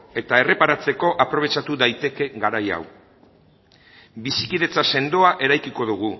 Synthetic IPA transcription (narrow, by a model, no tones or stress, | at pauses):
e̞t̪ae̞re̞paɾat͡se̞ko̞ʔapɾo̞β̞e̞t͡ʃat̪uðajt̪e̞ke̞ɡaɾaja̰w | bisikiðe̞t͡sase̞nd̪o̞aʔe̞ɾajkiko̞ðuɣ̞u